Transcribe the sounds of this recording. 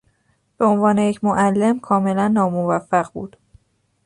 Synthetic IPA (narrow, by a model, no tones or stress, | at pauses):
b̥e̞o̞nvɒːnejecʰmoʔælːe̞mkʰɒːme̞lænːɒːmovæfːæɢbṵːd̪̥